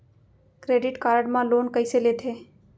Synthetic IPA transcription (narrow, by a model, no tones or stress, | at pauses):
kɾeɖɪʈkaːɾəɖmãloːnkəɪselet̪ʰe